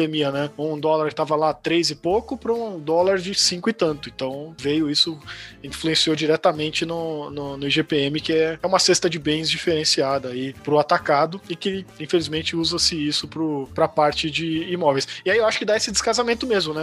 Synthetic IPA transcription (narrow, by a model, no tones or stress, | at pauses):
emiɐnɛũd̪ɔlaɾkɪ̥t̪avɐlat̪ɾejzɪpokʊpɾɐũd̪ɔlaɾd͡ʒɪsĩŋkʊɪt̪ɐ̃nt̪ʊẽnt̪ɐ̃w̃vejʊisʊĩfluẽsiod͡ʒiɾɛt̪ɐmẽnt͡ʃɪnʊnʊnʊiʒepeẽmɪkɪɛɛũmɐsest̪ɐd͡ʒɪbẽj̃zd͡ʒifeɾẽsiad̪ɐːipɾʊat̪akad̪ʊɪkɪĩfelizmẽnt͡ʃɪuzɐsɪisʊpɾʊpɾɐpaɾt͡ʃɪd͡ʒɪːmɔvejsɪaiewaʃʊkɪd̪aesɪd̪ɪskazamẽnt̪ʊmezmʊnɛ